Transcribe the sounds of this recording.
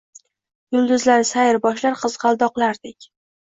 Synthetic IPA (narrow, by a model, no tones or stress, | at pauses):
jʊlˠd̪ʊzlaɾɪsajɪɾbɒʃlaɾqʰɨz̥qɑlˠd̪ɒqlˠaɾd̪ɪkʲ